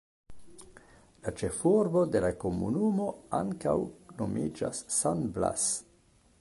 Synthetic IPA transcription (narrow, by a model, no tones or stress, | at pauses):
lat͡ʃe̞fuɾbode̞lako̞mṵnumo̞aŋka̰wno̞mʔid͡ʒa̰sːanbla̰s